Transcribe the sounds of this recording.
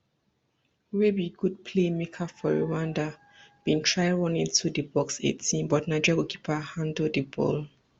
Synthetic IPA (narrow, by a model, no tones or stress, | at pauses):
webiɡud̚pʰlemekʰafɔɹuwãnda | b̥ĩntʰɹaɪɹɔ̃nĩntʰudibɔksḛtʰĩnbɔtnaɪd͡ʒɔaɡokʰi̥pʰahãndodibɔ̰l